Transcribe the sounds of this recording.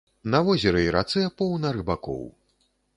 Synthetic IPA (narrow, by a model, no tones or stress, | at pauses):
nɐvɔzʲɛɾɨiɾa̰t̪sɛpɔwnɐɾɨbakɔ̰w